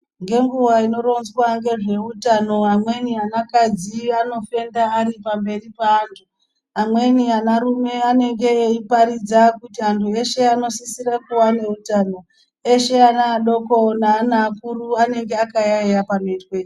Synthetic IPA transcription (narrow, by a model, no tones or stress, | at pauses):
ŋɡe̞ŋɡuwaino̞ɾo̞nzwaŋɡe̞ʐe̞utano̞amwe̞nianakad͡ziano̞fe̞ndaːripambe̞ripaːntʰu | amwe̞nianaɾume̞ane̞ŋɡe̞ːipaɾid͡zakutiantʰueʃe̞ano̞sisirakuwane̞utano̞ | e̞ʃe̞anaːɗoko̞naːnaːkuruane̞ŋɡe̞akajaejapametwe̞